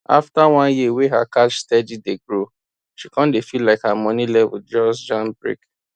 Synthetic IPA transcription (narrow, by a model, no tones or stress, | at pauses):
a̰ftawɔ̃njieweɦakat͡ʃstɛdideɡɹo | ʃikɔ̃ndefilaɪkhamɔ̃nĩlɛvṵd͡ʒɔsd͡ʒɔ̃nbɹḭk